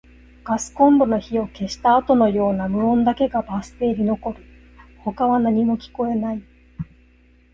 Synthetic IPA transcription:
ɡ̥asɨ̥kõ̞nd̪o̞no̞çio̞ke̞ɕi̥t̪aːt̪o̞no̞jo̞ːnamɯ̟õ̞nd̪ake̞ɡabasɨ̥t̪e̞ɾʲino̞ko̞ɾɯ̟ | ho̞kaβanaɲ̟imo̞kʲi̥ko̞e̞nai

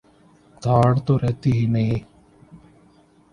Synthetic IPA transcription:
d̪ʱaːɽt̪oːɾɛɦt̪iːɦinei

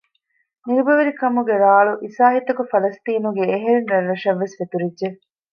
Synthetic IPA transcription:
niɾubɐʋɐɾikɐmuɡeɾaːɭuʔisaːɦit̪ɐkufɐlɐst̪iːnuɡeːɦeɾenɾɐɾɾɐʃɐʋːesʋet̪uɾidːe

